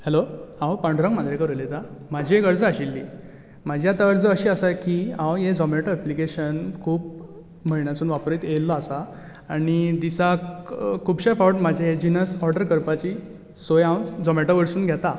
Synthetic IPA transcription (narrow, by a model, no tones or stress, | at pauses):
hɛloãwpəɳɖʱɾə̃ŋmad̪ɾekəɾulet̪amad͡ʑiekəɾd͡zəaɕilːḭː | mad͡ʑʱiat̪aəɾd͡zəəɕiːəsakiãwjed͡zɔmeʈaəplikeɕənkʰuːp̚ | m̤əiɳjat͡suːnʋapɾiːt̪elːaasa | aɽ̃id̪isa | kʰubɕafawʈmad͡ʑʱeed͡ʑinəsɔɾɖəɾkəɾpat͡ɕiː | sojãwd͡zɔmeʈaʋəɾsuːnɡʱjat̪a